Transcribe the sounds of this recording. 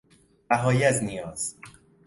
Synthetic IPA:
bæɦɒːjiæznijɒːz̥

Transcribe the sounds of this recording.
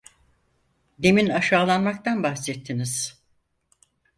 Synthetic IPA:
d̪e̞minaʃaːlˠanmakt̪ʰanbaxsɛt̪ʰːiniz̥

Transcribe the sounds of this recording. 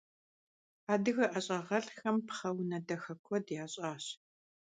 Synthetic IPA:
aːdɨɣɐʔɐɕʼɐʁɐɬxɐmpχɐwnɐdɐxɐkʷʰɔdjaːɕʼaːɕ

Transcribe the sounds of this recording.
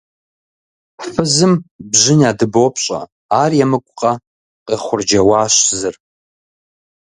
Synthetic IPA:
ħfɨzɨmbʒɪnaːdɨboːpʰɕʼɐ̰ | aːrjɛmɨkʷʼqʼɐ | qʼeχʷʊrd͡ʒɐwaːɕzɨr

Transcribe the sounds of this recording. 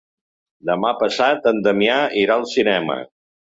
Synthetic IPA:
d̪əmapəsat̪ənd̪əmiaiɾalˠsinɛmə̰

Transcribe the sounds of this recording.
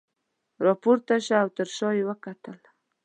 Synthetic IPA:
ɾɑpoɾt̪aʃaawt̪əɾʃɑjewəkat̪əl

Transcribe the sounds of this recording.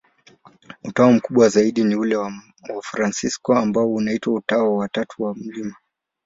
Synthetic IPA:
utaɔm̩kuɓwazaiɗiniulɛw | wafɾansiskɔambaɔunaitwautaɔwatatuwam̩lima

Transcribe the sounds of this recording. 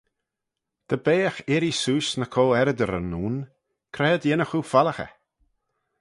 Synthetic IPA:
d̪̥əbeːəxɪɾisuːsnəkʰɔlɛɾəd̪əɾə̰nːuːn | kʰɾɛːəd̪jɪnəxufaləxə̰

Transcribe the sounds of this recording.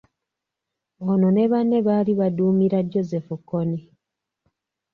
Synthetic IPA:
onone̞βanːe̞βaːliβaduːmiɾaɟːo̞zefukːoni

